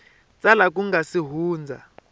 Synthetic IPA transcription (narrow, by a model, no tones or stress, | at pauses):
t͡sʼalak̬ʼuŋɡasiɦuːnd͡zʱa̰